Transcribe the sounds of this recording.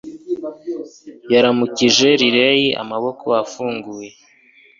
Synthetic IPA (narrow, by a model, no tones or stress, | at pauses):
jaɾamuciʒe̞ɾiɾejiʔa̰maβo̞kʰoafuːŋɡuje̞